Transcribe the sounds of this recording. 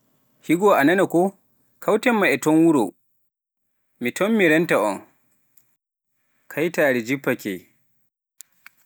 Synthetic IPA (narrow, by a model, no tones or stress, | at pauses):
hiɡɔʔananakɔ | kʰawtɛmːaɛtɔnwuɾo̰ | mitɔmmiɾɛntaʔɔ̰n | kʰajtaːɾɛd͡ʒipːakɛ̰